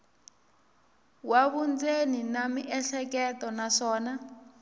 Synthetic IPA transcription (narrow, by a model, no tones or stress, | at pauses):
waβund͡zeninamiʔɛɬɛk̬ɛtʼɔnaʂɔːna